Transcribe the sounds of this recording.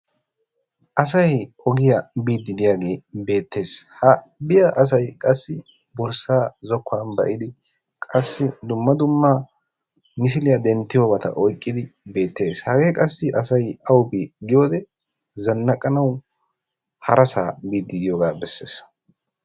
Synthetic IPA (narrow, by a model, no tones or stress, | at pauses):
ʔɐs̬ɐj | ɔɡɪjɐbiːd̪ːɪd̪ɪjaːɡe̞ːbe̞ːt̪ːe̞ːshɐ | bɪjɐʔɐs̬ɐjkʼɐsːɪ | bɔɾsaːzɔkːʊaːnbɐ̰ʔɪd̪ɪ | kʼɐsːɪd̪ʊmːɐd̪ʊmːaː | nɪs̬ɪlɪjɐd̪ɛnt̪ːɪjoːbɐt̪ɐ̰ʔɔjkʼːɪd̪ɪbe̞ːt̪ːe̞ːshɐɡe̞ːkʼɐsːɪʔɐsɐjɐwbiɡɪjo̞ːd̪ɛ | zɐnːɐkʼːɐnɐw | hɐɾɐsa̰ːbiːd̪ːɪd̪ɪjoːɡaːbɛsːe̞̰ːs